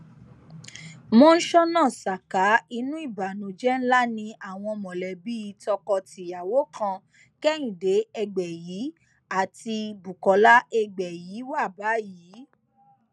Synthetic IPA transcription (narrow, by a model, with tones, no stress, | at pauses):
mõ˧˦n̩˦ʃɔ˦nãː˦˨sa˨ka˨˦i˧nũ˦i˦˨ba˨nũ˨˦d͡ʒɛ˦n̩˦la˦nĩ˧ʔa˦˨w̃ɔ̃˧mɔ̃˨lɛ˨bi˦i˨˦tɔ˧kɔ˧ti˨ja˨wo˨˦kʰã˧ | kɛ˦j̃ĩ˨de˨˦ɛ˧ɡ͡bɛ˨jiː˨˦ | a˦˨ti˧bu˨kɔ˨˦la˦ʔɛ˧ɡ͡bɛ˨ji˨˦wa˦˨ba˨˦jiː˨˦